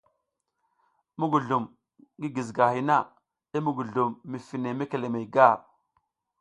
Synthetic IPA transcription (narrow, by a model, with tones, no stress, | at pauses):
mu˦ɡu˨ɮu˨m | ɡi˦ɡi˨zɡa˨hi˨na˦˨ | i˦mu˦˨ɡu˨ɮu˨mːi˨fi˨ne˨me˦ke˨le˨me˨jɡa˦˨ɾ